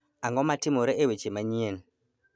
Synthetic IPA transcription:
aŋɡɔmatimoɾeʔewet͡ʃemaɲien

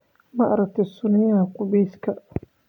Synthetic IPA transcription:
mɐʔɾɐk̚t̪ʰɛsʊnɪjakʊbiːskʰɐ

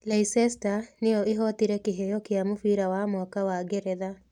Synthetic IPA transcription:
laisɛstanejɔʔeɦɔt̪iɾɛkeɦejɔkjamofiɾawamwakawaɡeɾɛða

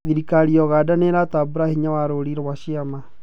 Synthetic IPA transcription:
ðiɾikaɾiɔɣaːdaneɾatabuɾahiɲawaɾoːɾiɾwaʃiama

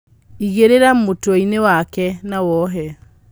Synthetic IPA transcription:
iɣeɾeɾamotwɔinewakɛnawɔɦɛ

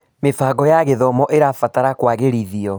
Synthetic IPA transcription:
mefaːɡɔjaɣeðɔmɔʔeɾafataɾakwaɣeɾiðiɔ

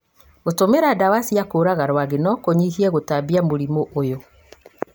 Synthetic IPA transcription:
ɣotomeɾadawasiakoːɾaɣaɾwaɣenɔkoɲiɦiɛɣotabiamoɾimoʔojo

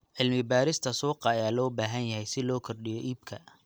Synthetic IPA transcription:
ʕɪlmɪbaːɾɪst̪ʰɐsɔːqɑjaːlɔːbaːɦɐnjɐɦɛjsɪlɔːkʰɔrɖɪjɔʔiːbkʰɐ

